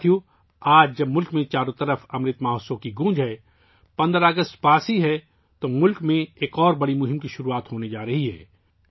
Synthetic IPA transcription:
iju | aːd͡ʒd͡ʒɐbmʊlkmẽt͡ʃaːɾõt̪ɐɾəfɐmɾɪt̪maːɦosõkiɡũːd͡ʒɦɛː | pɐ̃nd̪ɾaːɡəst̪paːsiɦɛ | t̪omʊlkmẽeːkɔːɾbɐɽimʊɦɪ̃mkiʃʊɾuaːt̪ɦoːned͡ʒaːɾɐɦiɦɛ̰ː

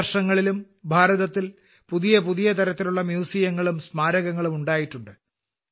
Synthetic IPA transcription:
ɐrʂɐŋːɐɭilum | bʱaːɾɐðɐt̪ːil | puðijɐpuðijɐt̪ɐɾɐt̪ːiluɭːɐmjuːsijɐŋːɐɭumsmaːɾɐɣɐŋːɐɭumuɳɖaːjiʈːuɳɖɨ

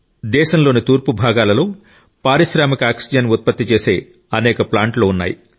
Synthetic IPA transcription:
d̪ɛːʃɐmloːnit̪uːɾpubʱaːɡaːlɐloː | paːɾiʃɾaːmikɐaːksid͡ʒɐnut̪̚pɐt̪ːit͡ʃe̞ːse̞̰ː | ɐnɛːkɐplaːɳʈlo̞ːunːa̰ːji

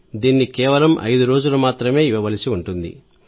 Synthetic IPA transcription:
d̪iːnːikɛːʋɐlɐmʔɐ̰jd̪uɾo̞ːd͡ʒulɐmaːt̪ɾɐme̞ːiʋɐʋɐlisiuɳʈund̪ḭ

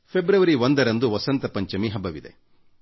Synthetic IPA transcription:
pʰebɾɐʋɐɾiʋond̪ɐɾɐnd̪uʋɐsɐnt̪ɐpɐɲt͡ʃɐmiɦɐbɐʋid̪e̞̰

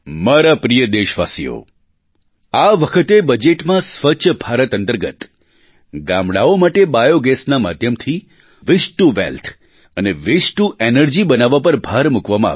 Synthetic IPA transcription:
maɾapɾijəd̪eʃʋasḭjo̰ | aʋəkʰət̪ebəd͡ʒeʈmãsʋət͡ʃʰbʱaɾət̪ənt̪əɾɡət̪ | ɡamɽaomaʈebajoɡɛsnama̰d̪ʱjəmt̪ʰi | ʋɪʃʈuʋḛlt̪ʰ | əneʋɪsʈuʔenəɾd͡ʒibənaʋapəɾbʱaɾmukʋamãa̰

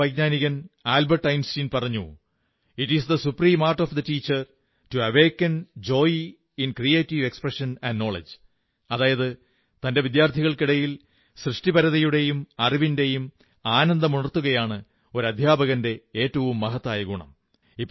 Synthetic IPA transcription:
ɐjɡɲaːniɣɐnaːlbɐrʈːɐjnstiːnpɐrɐɲːu | iʈisd̪ɐsupriːmaːrʈoːfd̪ɐtiːt͡ɕːɐr | tuɐʋeːkːɐnd͡ʑo̞ːj | inkrijeːtːiʋe̞kspreʂɐnɐnɖno̞ːɭḛd͡ʑ | ɐðaːjɐðɨ | t̪ɐnde̞ʋid̪jaːrt̪ʰiɣɐɭkiɽɐjil | srɨʂʈibɐɾɐðɐjuɽe̞jumɐribinde̞jum | aːnɐnd̪ɐmuɳɐrt̪ːuɣɐjaːɳɨ | o̞ɾɐd̪ʱjaːbɐɣɐnde̞eːtːɐʋumːɐɦɐt̪ːaːjɐɣuɳɐ̰m | ipː

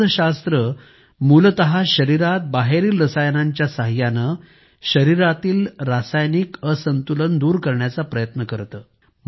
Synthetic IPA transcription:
ɕast̪ɾə | mult̪əɦaɕəɾiɾat̪̚baɦeɾiːlɾəsajnaɲt͡ɕjasaɦjanə | ɕəɾiɾat̪iːlɾasajnikəsənt̪ulənd̪uːɾkəɾɳjat͡sapɾəjət̪nəkəɾt̪əː | m

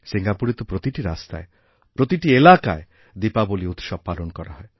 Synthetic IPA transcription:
siŋɡapuɾet̪opɾot̪iʈiɾa̰st̪a̰e | pɾot̪iʈielaka̰e | d̪ipaboliut̪ʃɔb̚palonkɔɾa̰ɦɔe

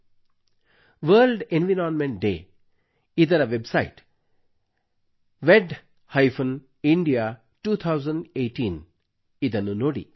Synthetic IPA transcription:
ʋəːlɖẽnʋiɾaːnmẽɳʈ̚ɖḛː | id̪ɐɾɐʋebsaɪʈ | ʋeɖ | haɪfən | ĩɳɖija | ʈuːt̪ʰaʊzə̃ɳɖeːʈĩːn | id̪ɐnunoːɽḭ

